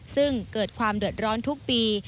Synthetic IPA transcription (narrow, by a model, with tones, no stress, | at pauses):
sɯ˥˩ŋkɤː˨˩t̪̚kʰwaː˧mdu˨˩ət̪̚ɾɔː˦˥nt̪ʰu˦˥k̚piː˧